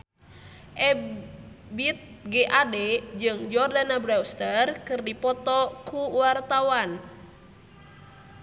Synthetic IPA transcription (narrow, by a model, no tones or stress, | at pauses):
ʔɛ | bit̪̚ɡeʔadɛd͡ʒɨŋd͡ʒɔrdanabɾawst̪ərkɨrdipɔt̪ɔkuwart̪awan